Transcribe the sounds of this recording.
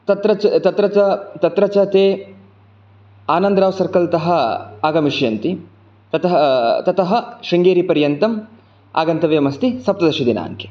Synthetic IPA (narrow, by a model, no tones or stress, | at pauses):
t̪ɐt̪ɾɐɐt̪ɐt̪ɾɐt͡ʃɐt̪ɐt̪ɾɐt͡ʃɐt̪eː | aːnɐnd̪ɾaːʋsɐɾkɐlt̪ɐɦɐaːɡɐmiʃjɐnt̪i | t̪ɐt̪ɐɦt̪ɐt̪ɐɦɐ̆ʃiŋɡeːɾipɐɾjɐnt̪ɐm | a̰ːɡɐnt̪ɐʋjɐmɐst̪isɐp̚t̪ɐd̪ɐʃud̪ina̰ːŋke̥